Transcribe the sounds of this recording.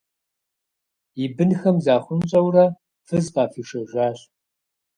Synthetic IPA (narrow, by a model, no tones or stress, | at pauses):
ibɨnxɐmzaːχʷʊnɕʼɐwrɐ | fɨzqaːfiːʂɐʒʷaːɕ